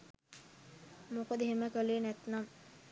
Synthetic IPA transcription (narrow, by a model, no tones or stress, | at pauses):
mokod̪əɦeməkəleːnæt̪nam